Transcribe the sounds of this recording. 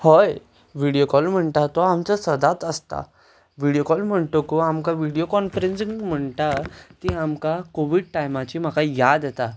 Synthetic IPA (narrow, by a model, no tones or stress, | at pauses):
hɔj | ʋiɽijokɔlm̤əɳt̪at̪ɔamt͡sasəd̪at̪əst̪a̰ | ʋiɽjokɔlm̤əɳt̪okoamkaʋiɽijokɔnfəɾensiŋɡm̤əɳt̪at̪iamkakoʋiɽ̚ʈajmat͡ɕiːm̤akajad̪et̪a